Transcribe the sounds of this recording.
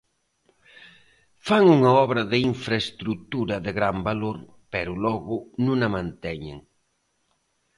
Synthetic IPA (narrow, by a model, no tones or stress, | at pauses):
faŋuŋɐɔβɾɐðɪiɱfɾɐest̪ɾut̪uɾɐðɪɣɾambaloɾ | pɛɾʊlɔɣʊnũŋɐmãnt̪ɛɲḛŋ